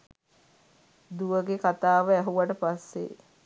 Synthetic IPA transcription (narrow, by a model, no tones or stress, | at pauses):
d̪uʋəɡekat̪aːʋəæɦuʋaʈəpasːḛ